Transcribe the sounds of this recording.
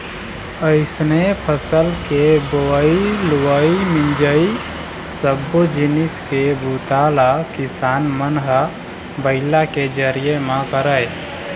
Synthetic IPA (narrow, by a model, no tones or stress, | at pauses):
əɪsnepʰəsəlkeboiluwəimind͡ʒəi | səbːod͡ʒiniskebʱut̪alakɪsaːnmənɦə | bəɪlaked͡ʒəɾiemãkəɾəj